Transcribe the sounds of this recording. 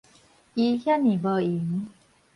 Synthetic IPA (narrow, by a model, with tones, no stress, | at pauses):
i˧hja˦nĩ˨bə˧i˨ŋ˦